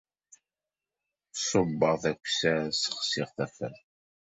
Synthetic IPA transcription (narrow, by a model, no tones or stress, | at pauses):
sˤʊbːəʁθækʷsæsə̥χsɪʁθæfən